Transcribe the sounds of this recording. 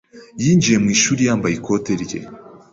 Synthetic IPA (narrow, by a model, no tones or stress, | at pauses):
jiːɲd͡ʒije̞mŋiːʃuːɾijaːmbajikʰo̞ːteɾɟḛ